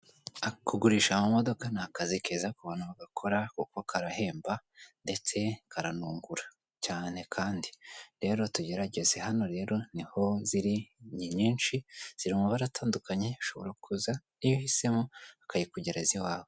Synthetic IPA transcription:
akuɡuɾiːʃamumo̞do̞kanakazikezakuβanuβaɡakʰo̞ɾakukoakʰaɾahe̞ːmbande̞t͡se̞kʰaɾanuːŋɡuɾa | caːne̞kʰaːndiɾe̞ːɾo̞tuɟe̞ɾaɟe̞ze̞hano̞ɾe̞ːɾo̞niho̞ziɾiɲiɲiːnʃiz̥iɾimuβaɾataːndukaɲe̞βiʃo̞βo̞ɾakuzanijohise̞mo̞akaɾikuɟeɾeziwaːwo

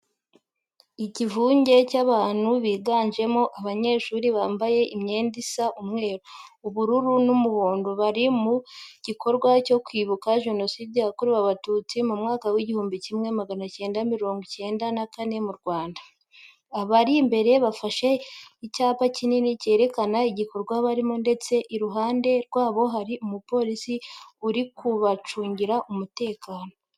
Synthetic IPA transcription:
icivuːɲɟe̞caβaːn̥huβiːɡaːɲʒe̞moʔaβaɲe̞ːʃuːɾiβaːmbaje̞ʔimɲe̞ːndisaʔumŋe̞ːɾouβuɾuɾunumuβoːndoβaɾimuɟ̥ikʰo̞ɾɡwaco̞kwiːβukaʒe̞no̞sidiakuɾiβaβatuːt͡simumŋaːkawiɟihuːmbicimŋe̞maɡanace̞ːndamiɾo̞ːŋɡice̞ːndanakane̞muɾɡwaːndḁː | βaɾimbe̞ɾe̞βafaʃe̞icaːpacininice̞ːɾe̞kanaiɟiko̞ɾɡwaβaɾimunde̞t͡se̞ʔiɾuɦaːnde̞ɾɡwaːβo̞ɦaɾiʔumupo̞ɾisiuɾikuβat͡ʃuːɲɟiɾaʔumute̞ːkaːno̞

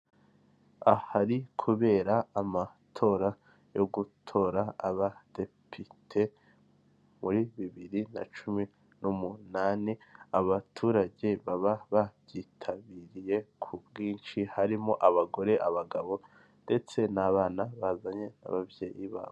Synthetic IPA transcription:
ahaɾikʰuβe̞ːɾaːma | tʰo̞ːɾa | jo̞ɡutʰo̞ːɾaaβad̥e̞pʰitʰe̞ | muɾiβiβiɾina̰t͡ʃumi | numunaːneaβatʰuːɾaɟe̞βaβaβabjitʰaβiɾije̞kʰubɡiːnt͡ʃihaɾimoʔaβaɡo̞ɾe̞ʔaβaɡaβo̞ | nde̞t͡se̞naβaːnaβazaɲe̞na̰βavje̞ːjiβa̰ː

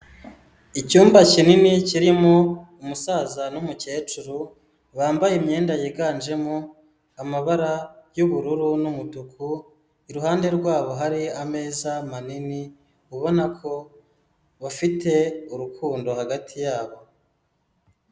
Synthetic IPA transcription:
icuːmbacininiciɾimoumusaːzanumuce̞ːt͡ʃuɾu | βaːmbajemɲe̞ːndajeɡaːnd͡ʒe̞mo | amaβaɾajuβuɾuɾunumutukʰu | iɾuɦaːnde̞ɾɡwaːβo̞ɦaɾiame̞ːzamanini | uβo̞nakʰo̞ | βafite̞uɾukʰuːndo̞haɡatʰijaːβo̞

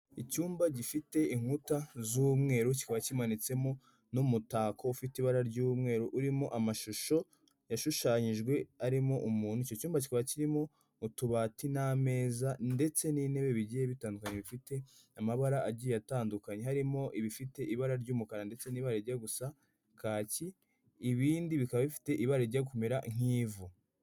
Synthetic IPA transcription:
icuːmbaɟifite̞iŋ̥utazuːmŋe̞ːɾuci̥kaβacimanit͡se̞mo̞ | numutaːkʰo̞ufitiβaɾaɾɟuːmŋe̞ːɾuʔuɾimo̞ʔamaʃuʃo̞ | jaʃuʃaːɲiʒɡwe̞aɾimo̞ʔumuːn̥uico̞cuːmbaci̥kaβaciɾimo̞ː | tuβatiname̞ːzande̞t͡se̞nine̞βe̞βiɟijeβitaːndukaɲeβifite̞ | amaβaɾaʔaɟijataːndukaɲe̞ɦaɾimo̞ʔiβifite̞ʔiβaɾaɾɟuːmukaɾande̞t͡se̞niːβaɾaiɾɟaɡusa | kʰaːciː | βiːndiβikaβaβifi̥te̞ʔiβaɾaiɾɟaɡukumeɾa̰ŋ̥iːvu

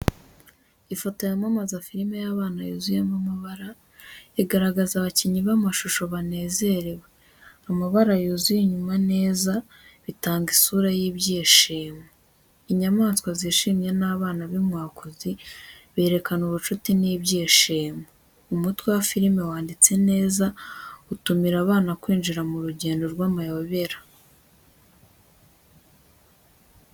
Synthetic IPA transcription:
ifotojamamazafiɾime̞jaβaːnajuzujamamaβaɾa | eɡaɾaɡazaβaciɲiβamaʃuʃo̞βane̞ːze̞ɾewe | amaβaɾajuzujiɲumane̞ːza | βitaːŋɡisuːɾajiβjeːʃeːmo | iɲamaːskwaziːʃimje̞naːβaːnaβimŋaːkozi | βe̞ːɾe̞kanuβut͡ʃutiniːbjiːʃiːmo | umutwe̞wafiɾime̞waːndit͡se̞ne̞ːzautumiɾaβaːnakwiːnd͡ʒiɾamuɾuɟe̞ːndo̞ɾɡwaːmajoβe̞ɾḁ

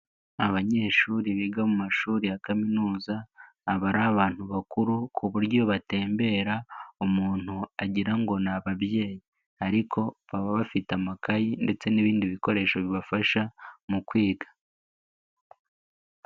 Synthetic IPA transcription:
aβaɲe̞ːʃuːɾiβiːɡamumaʃuːɾijakaminuːzaː | βaɾaːβaːn̥huβakuɾukʰuβuɾjo̞βate̞ːmbe̞ːɾaumuːn̥huaɟiɾaŋɡo̞naβaβje̞ːji | aɾikʰo̞βaβaβafitamakajinde̞t͡se̞niβiːndiβiko̞ɾe̞ːʃoβiβafaʃamukwiːɡḁ

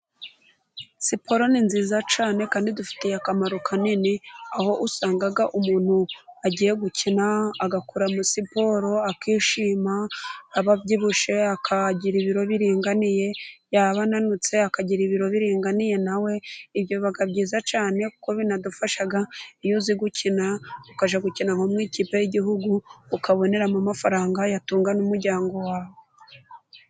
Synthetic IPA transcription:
sipʰo̞ɾo̞ninziːzat͡ʃaːne̞kaːndidufi̥tejakamaɾukʰaniniaho̞ʔusaːŋɡaɡaʔumuːn̥huaɟiːje̞ɡucʰinaːɡakuɾamusipo̞ɾo̞akiːʃiːmaːβabɟiβuʃe̞akʰaɟiɾiβiɾo̞βiɾiːŋɡanije̞jaβananut͡se̞akaɟiɾiβiɾo̞βiɾiːŋɡanije̞nawe̞iβjo̞ββaɡabɟiːzat͡ʃaːne̞ku̥ko̞βinadufaʃaɡaijuziɡucʰinaukaʒaɡucinaŋomŋiːciːpejiɟiɦuɡuːkaβo̞ne̞ɾamumafaɾaːŋɡajatuːŋɡanumuɾɟaːŋɡo̞waːβo

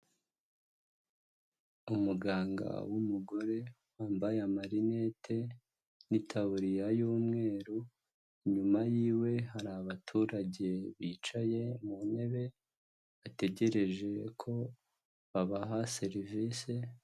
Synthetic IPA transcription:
umuɡaːŋɡa̰wumuɡo̞ɾe̞ | waːmbajamaɾine̞tʰe̞ | nitʰaβuɾijajuːmŋe̞ːɾo | iɲumajiːwe̞ɦaɾaβatʰuːɾaɟe̞βiːt͡ʃaje̞mune̞βe̞ | ate̞ɟe̞ɾe̞ʒe̞kʰo̞ | βaβaɦase̞ɾiviːse

